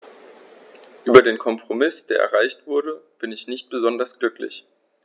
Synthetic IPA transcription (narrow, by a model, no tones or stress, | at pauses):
ʔyːbɐdeːnkʰɔmpʁ̥omɪsd̥eːɐʔɛ̰ɐʁ̞aɪçtv̥ʊɐdəb̥ɪnɪçnɪçt̚b̥əzɔndɐsɡ̥lʏklɪ̰ç